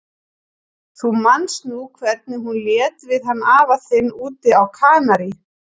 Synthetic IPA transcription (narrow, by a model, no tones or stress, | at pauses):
θumansnukʰvɛɾt̪nɪɦunljɛːt̪vɪðɦanːaːvaθɪnːuːt̪ɪawkʰaːnaɾɪ